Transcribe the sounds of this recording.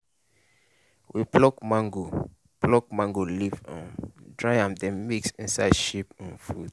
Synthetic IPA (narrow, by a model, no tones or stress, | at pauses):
wiplɔkmãŋɡo | plɔk̚mãŋɡolivɔ̰̃ndɹajãmdɛ̃miksĩnsaɪdʃipə̃nfṵd̥̚